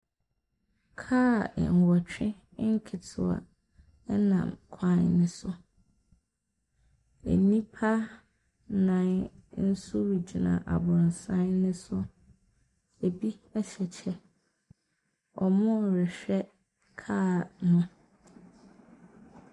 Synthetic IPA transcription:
kʰa̰ː˦˨ŋ̩˨wɔ˨t͡ɕᶣɪ̃˦ | ŋ̩˦kʰɪ˨tʰɪ˨a̰˨ | ɛ˦nã̰˨mkʷʰã˦nnɪ̃˦sʊ˦ | ḛ˨nĩ˦pʰa˦ | nã˨˦nn̩˦sʊ˦wi˨d͡ʑi˨nã̰˨ʔa̰˨bʊ̃˨n˨sã˦nnɪ̃˦sʊ˦ | e˨bi˦ɛ˦ɕɛ˨t͡ɕʰɛ˦ | ɔ˨mʊ̃˦˨ɾɪ˨ɕᶣɛ˦ | kʰaː˦˨nʊ̃˦

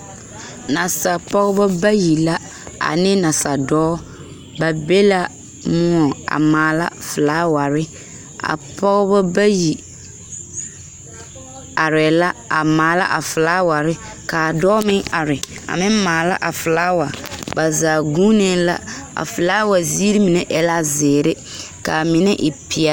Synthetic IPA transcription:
na˨sa˨pɔ˦ɣɔ˦bɔ˦ba˦ji˨la˦ | a̰˨nɪ˦na˨sa˨dɔː˦ | ba˨be˦la˦ | mʊ˦ɔ˨a̰˨maː˨la̰˦fɪ˨laː˦wa˨ɾɪ˦ | a̰˨pʰɔ˦ɣbɔ˦ba˦ji˨ | a˨ɾɛ˨la˦a˨maː˨la̰˦ʔa˨fɪ˨laː˦wa˨ɾɪ˦ | ka˨dɔː˦mɪ˦a˨ɾɪ˨a̰˨mɪ̃˦maː˨la̰˦ʔa˨fʊ˨laː˦wa˨ba˨zaː˨ɡu˦ne˦la̰˦a̰˨fʊ˨laː˦wa˨zi˦ɾi˦mi˨nɛ˦ʔɛ˨la˦zɪː˨ɾɪ˦ | ka˨mɪ˨nɛ˦ʔɪ˨pɪ˨a˦

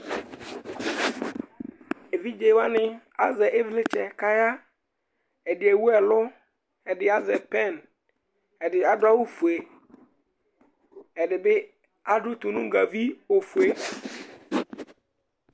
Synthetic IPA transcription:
e˨vi˦d͡ʒe˨˦wa˦nɪ̃˦ | a˦zɛ˨ʔe˦vlɪ˦t͡ʃʰɛ˨ka˦ja˦ | ɛ˨dɪ˨ɛ˨wu˦ɛ˨lʊ˦ | ɛ˨dɪ˨a˦zɛ˨pɛ˦˨n | ɛ˨dɪ˨a˨dʊ˦a˦wo˦fu˨e˨ | ɛ˨dɪ˨bɪ˦ | a˦dʊ˦t̪u˨nʊ̃˦ŋ˦ɡa˨vi˦o˨fu˨e˨

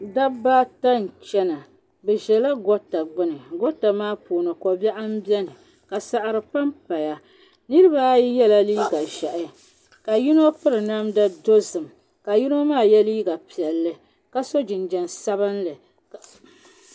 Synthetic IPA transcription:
da˦baː˦ta˦n˨t͡ʃɛ˦na˨ | bɛ˨ʒɛ˨la˦ɡɔ˦tːa˨ɡ͡bɨ˦nɨ˨ɡɔ˦ta˨maː˦poː˨nɨ˨kɔ˨bɛ˦ʔa˦m˦bi˦ɛ˦nɨ˨ | ka˨sa˨ʔa˨ɾɨ˨pa˦mpa˨ja˨ | nɨ˦ɾɨ˦ba˦ji˦jɛ˦la˦liː˦ɡa˨ʒɛ˨ʔɪ˦ | ka˨ji˦no˦pɨ˦ɾɨ˨na˦mda˦do˦zɨ˨m | ka˨ji˦no˦maː˦˨jɛ˦liː˦ɡa˨pi˨ɛ˨lːɨ˦ | ka˦so˦d͡ʒɪ˨nd͡ʒɛ˨nsa˦βɨ˦nlɨ˨

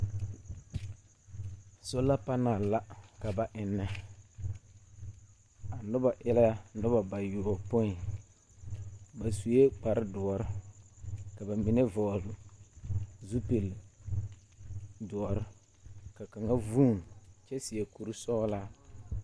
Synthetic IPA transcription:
so˦la˦pa˦naː˨la˦ka˨ba˨ʔɪ˨nːɛ˨ | a˨nʊ˦ba˨ʔɪ˦la˦ja˦nʊ˦ba˨ba˨ju˨ɔ˨pʊ˦ɪ˨ | ba˨su˨je˦k͡pa˨ɾɪ˦dʊ˨ɔ˨ɾɪ˦ | ka˨ba˨mɪ˨nɛ˦vɔː˨lʊ˨ | zu˦pe˨l | dʊ˨ɔ˨ɾɪ˦ | ka˨ka˨ŋa˦vuː˦˨n˨t͡ʃɛ˦sɪ˨ɛ˨ku˨ɾu˦sɔ˦laː˦

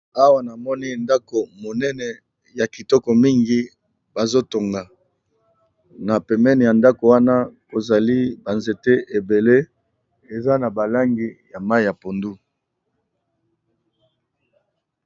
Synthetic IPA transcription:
a˦wa˦na˨mɔ˦ni˦nda˦ko˨mo˨nɛ˦nɛ˨ | ja˨ki˨tɔ˦kɔ˨mi˦ŋɡi˦ | ba˨zo˦to˨ŋɡa˨ | na˨pɛ˨mɛ˦ni˨ja˨nda˦ko˨wa˦na˦ko˨za˨li˦ba˨nze˨te˦ʔe˨be˨le˦ | e˨za˦na˨ba˨la˦ŋɡi˦ja˨ma˦i˨ja˨po˨ndu˦

